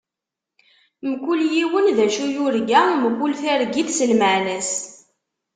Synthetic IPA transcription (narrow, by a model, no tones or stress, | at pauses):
mkʷːuljiwənðæʃujʊɾɡæmkʊlθæɾɡiθsəlməʕnæs